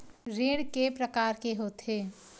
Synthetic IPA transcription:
ɾeːɽkepɾəkaːɾkeɦoːt̪ɦeː

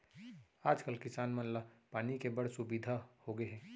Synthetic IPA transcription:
aːd͡ʒkəlkɪsaːnmɐnlapaːnikebɐɽ̤sʊbiːd̪ʱahoɡəeɦɛ̃ː

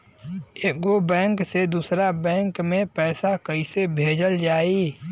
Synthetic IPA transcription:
eːɡobɛ̃ːŋksed̪uːsɾabɛ̃ːŋkmẽpɛːsakəisebʱeːd͡ʒəld͡ʒaːi

